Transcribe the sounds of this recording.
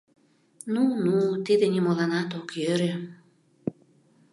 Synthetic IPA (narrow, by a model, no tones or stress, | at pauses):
nunut̪id̪ĕnimolɑnɑt̪okjøɾe